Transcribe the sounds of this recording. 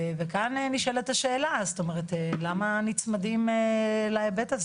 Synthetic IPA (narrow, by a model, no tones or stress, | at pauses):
vekanniʃelet̪aʃeːlast̪o̞meʁet̪elamanit͡smadimelaebetaz